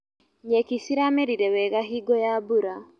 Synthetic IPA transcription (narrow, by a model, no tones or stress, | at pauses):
ɲɛkisiɾamɛɾiɾɛwɛɣaɦiɡɔjabuɾa